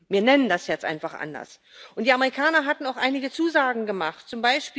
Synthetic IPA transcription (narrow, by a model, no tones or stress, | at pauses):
viːɐnɛnəndasjɛt͡stʔa̰ɪnfaχʔa̰ndɐ̰s | ʔʊntd̥iːaməʁikʰaːnɐɦatn̩aʊxʔaɪnɪɡət͡suːzaːɡŋ̩ɡəmaχtt͡sʊmbaɪʃpiː